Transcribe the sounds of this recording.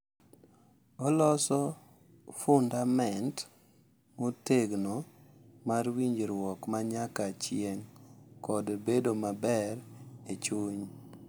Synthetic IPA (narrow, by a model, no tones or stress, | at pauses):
ɔlɔsɔ | fʊndamɛnt | moteɡnomarwiɲd͡ʒɾwɔkmaɲakat͡ʃjeŋkɔdbedomabɛɾet͡ʃuɲ